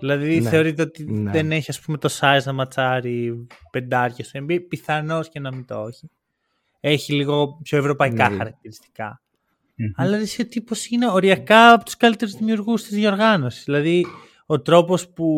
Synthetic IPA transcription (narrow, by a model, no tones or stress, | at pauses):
ðilɐðiθe̞o̞ɾit̪e̞ot̪iðeneçiɐspume̞t̪o̞sɐiznɐmɐt͡sɐɾipe̞nd̪ɐɾcɐst̪uembipiθɐno̞scenɐmint̪ooçi | e̞çiliɣo̞pço̞e̞vɾo̞pɐikɐxɐɾɐk̚t̪iɾist̪i̥kɐ̰ | ɐlɐðiseot̪ipo̞sine̞o̞ɾiɐkɐpot̪u̥skɐlit̪e̞ɾuzðimiuɾɣust̪izðiɐoɾɣɐno̞si̥zðilɐði | o̞t̪ɾo̞po̞spu